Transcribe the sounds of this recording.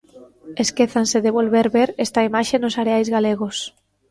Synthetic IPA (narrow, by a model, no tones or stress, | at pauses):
eskeθanseðeβolβeɾβeɾest̪aimaʃenosaɾeajzɣaleɣ̞os